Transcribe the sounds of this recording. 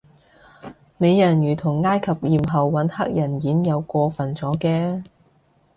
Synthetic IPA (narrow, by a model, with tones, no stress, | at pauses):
me˨˧jːɐ˨˩njyː˨˩t̪ʰʊ˨˩ŋːaː˥jkʰɐ˨p̚jiː˨mɦɐ˨wːɐ˨˥nhɐ˥k̚jɐ˨˩njiː˨˥njɐ˨˧wkʷɔː˧fɐ˨˩nt͡sɔː˨˥kɛː˧